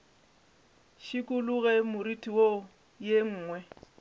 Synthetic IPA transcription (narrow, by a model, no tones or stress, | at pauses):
ʃikʼuluɣɛmʊritʼiwo | jeŋ̩ːŋwɛ